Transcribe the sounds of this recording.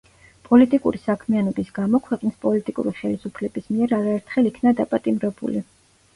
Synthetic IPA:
pʼɔlit̪ʼikʼṵɾisakʰmianɔbisɡamɔkʰwɛqʼnispʼɔlit̪ʼikʼṵɾiχɛlisupʰlɛbismiɛɾaɾaɛɾt̪ʰχɛlikʰnad̪apʼat̪ʼimɾɛbṵlḭ

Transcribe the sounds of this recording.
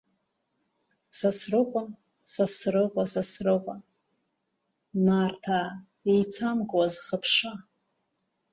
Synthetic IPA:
sasrɨqʷʼan | sasrɨqʷʼasasrɨqʷʼa | nartʰa | ejt͡sʰamɡʼwazχəpʰʂa

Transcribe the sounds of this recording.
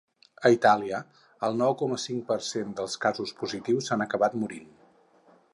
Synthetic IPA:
əit̪aliə | əlˠnɔwkɔməsiŋpərsend̪əlˠskazuspuzit̪iwzanəkəβat̪muɾin

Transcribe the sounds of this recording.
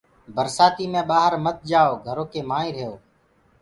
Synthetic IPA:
bəɾsaːt̪iːmẽːɓaːɦəɾmət̪̚d͡ʒaːoːɡʱəɾoːkeːmãːĩːɾəjoː

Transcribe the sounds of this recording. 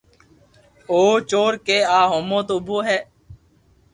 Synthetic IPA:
oːt͡ʃoːɾkeːaːɦoːmõːt̪oːʊboːɦɛː

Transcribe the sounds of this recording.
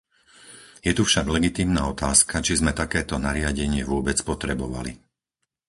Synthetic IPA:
jɛt̪ufʃaɡlɛɡit̪iːmnaːɔt̪aːskʰat͡ʃizmɛt̪akɛːt̪ɔnaɾɪaɟɛɲɪɛʋʊɔbɛt͡spɔt̪ɾɛbɔʋa̰lḭ

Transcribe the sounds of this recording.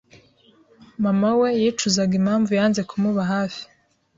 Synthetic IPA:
mamawe̞jiːt͡ʃuzaɡim̥haːɱvujaːnze̞kʰumuβaɦaːfi̥

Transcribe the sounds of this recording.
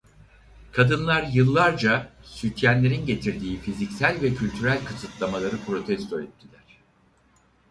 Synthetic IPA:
kʰad̪ɯnlˠaɾjɯlˠːaɾd͡ʒasyt̪ʰjænlʲe̞ɾinɟe̞t̪ʰiɾd̪iːfizicsælʲvɛcʰylʲt̪ʰyɾælʲkʰɯsɯt̪lˠamalˠaɾɯpʰɾo̞t̪ʰɛst̪ʰoɛt̪̚d̪ʲilʲæɾ̝̥

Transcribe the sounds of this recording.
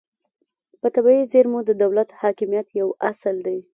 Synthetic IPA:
pət̪abaizeɾmod̪əd̪awlat̪hɑkɪmjat̪jawasəld̪e

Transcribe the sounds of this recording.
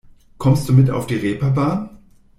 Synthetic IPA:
kʰɔmst̚d̥uːmɪta̰ʊfd̥iːʁeːpɐbaːn

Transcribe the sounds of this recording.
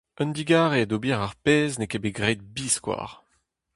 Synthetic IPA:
œnd̪iɡaːʁead̪obiʁaʁpeːznekebeɡʁɛt̪̚biːskwa̰ːʁ

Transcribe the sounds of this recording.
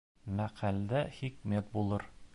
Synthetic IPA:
mæqæld̪æχikmʲæt̪̚bulˠɤɾ

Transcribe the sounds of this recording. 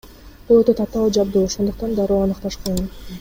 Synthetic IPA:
b̥ulˠøt̪øt̪ɑt̪ɑlˠd͡ʒɑbd̪uːoʃo̞nd̪uq̚t̪ɑnd̪ɑɾuːɑnɯqt̪ɑʃqun

